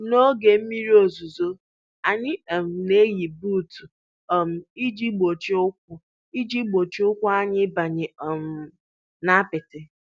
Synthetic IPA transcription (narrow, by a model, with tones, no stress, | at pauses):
no˦ɡe˨m̩˦mi˦ɾi˦o˨zu˨zo˦ | a˨ɲɪ˦ɔ˨m̩˨ne˦ji˨bu˦˨tu˨ | ɔ˨m̩˦i˦d͡ʒi˦ɡ͡bo˨t͡ʃi˦ʊ˦kʷʊ˦ | i˦d͡ʒi˦ɡ͡bo˨t͡ʃʊ˦kʷʊ˦a˦ɲɪ˦ba˨ɲɪ˨ɔ˨m̩˨ | na˦pɪ˨tɪ˨